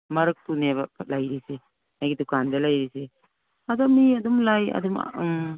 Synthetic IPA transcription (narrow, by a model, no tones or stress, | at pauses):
mɐɾɯk̚tuneβalajɾise | najɡitukandalajɾise | adɔmiadumlaja̰dum̰